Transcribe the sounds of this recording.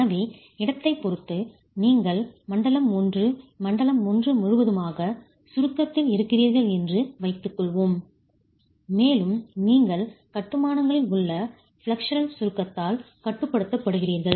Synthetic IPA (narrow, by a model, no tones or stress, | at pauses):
ɐʋi | ɪɽɐt̪ːɐɪpːɔɾɯt̪ːɯ | niːŋɡɐɭmɐɳɖɐlɐmːʊndrɯmɐɳɖɐlɐmːʊndrɯmʊɻɯʋɐðɯmaːɣɐ | sʊɾɯkːɐt̪ːɪlɪɾɯkːɪriːɾɣɐɭɛndrɯʋɐɪt̪ːɯkːɔɭʋoːm | meːlɯmniːŋɡɐɭkɐʈːɯmaːnɐŋɡɐɭɪlʊɭːɐ | fɭɐkʂɐɾɐnsʊɾɯkːɐt̪ːaːl | kɐʈːɯpːɐɽɯt̪ːɐpːɐɽɯɣɪriːɾɣɐɭ